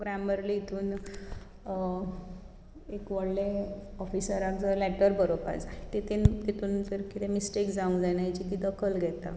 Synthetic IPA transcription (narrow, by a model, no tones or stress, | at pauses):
ɡɾamʋəɾliit̪ʰuːn | ekʋəɽleɔfisəɾad͡zəlɛʈəɾbəɾopa̰t͡st̪it̪ent̪it̪ʰuːnd͡zəɾkit̪ʰemisʈekd͡zaũŋɡd͡zanjajt͡ɕit̪id̪əkʰəlɡʱɛt̪a̰